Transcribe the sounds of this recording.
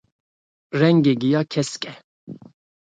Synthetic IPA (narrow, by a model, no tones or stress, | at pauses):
ɾɛŋɡiɡijakʰɛskʼɛ